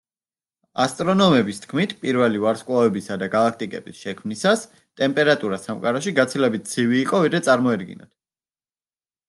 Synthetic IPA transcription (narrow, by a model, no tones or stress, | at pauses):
ast̪ʼɾɔnɔmɛbist̪ʰkʰmit̪ʰpʼiɾvɛlivaɾskʼwavɛbisad̪aɡalˠak̚ʰt̪ʼikʼɛ̰bisʃɛkʰmnisas | t̪ʼɛmpʼɛɾat̪ʼuɾasamkqʼaɾaʃiɡat̪sʰilɛbit̪̚t̪sʰiviːqʼɔvid̪ɾɛt̪sʼaɾmɔɛd̪ɡḭnɔ̰d̪̥̚